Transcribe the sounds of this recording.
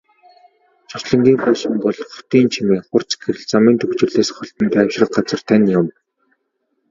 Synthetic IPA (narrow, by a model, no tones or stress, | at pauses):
t͡ɕʰʊt͡ɕɮə̆ŋɡʲiːmpæːʃɪ̆mpɔɮχʊ̥t̪iːnt͡ɕʰimeːχʊr̥t͡sɡeɾɘ̆ɮt͡samiːnt̪ʰɵkt͡ɕɪ̆rɮeːsχɔɬt̪ɞ̆nt̪æːwʃrə̆qɢat͡sə̆rt̪ʰanʲjʊm